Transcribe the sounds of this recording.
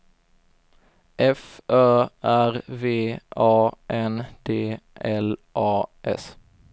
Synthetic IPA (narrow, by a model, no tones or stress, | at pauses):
ʔɛfʔœːʔæɾveːɑːʔɛnd̪̥eːʔɛlʔɑːʔɛ̰s